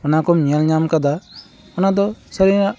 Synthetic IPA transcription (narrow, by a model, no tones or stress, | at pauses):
ɔnakɔmɲalɲamkad̪a | ɔnad̪ɔsəɾiaʔ